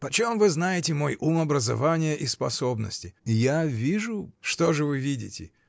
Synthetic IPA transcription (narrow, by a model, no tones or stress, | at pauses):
pət͡ɕomvɨznajɪtʲɪmo̞jʔumɐbɾəzɐ̰vanʲɪjəʔispɐso̞bnə̰sʲtʲɪɪjavʲiʐʊʂt̪o̞ʐɨvɨvʲidʲɪ̰tʲɪ̰